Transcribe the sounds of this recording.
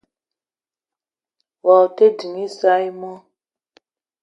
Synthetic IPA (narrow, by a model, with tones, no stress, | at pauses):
wɔ˨te˦di˨ŋi˦sa˦i˦mɔ˦